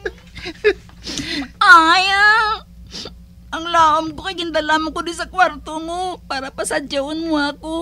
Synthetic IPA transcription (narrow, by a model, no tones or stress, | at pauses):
ʔaja | ʔɐŋlaːʔɐmkokɐɡɪnd̪ɐlaːmɐŋkod̪ʊnsɐkwaɾt̪omopaːɾɐpɐsɐd͡ʒɐʔonmoako